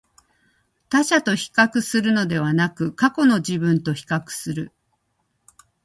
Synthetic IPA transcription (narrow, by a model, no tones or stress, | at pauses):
t̪aɕat̪o̞çi̥kakɯ̟sɨɾɯ̟no̞d̪e̞β̞anakɯ̟kako̞no̞ʑibɯ̟̃nt̪o̞çi̥kakɯ̥sɨɾɯ̟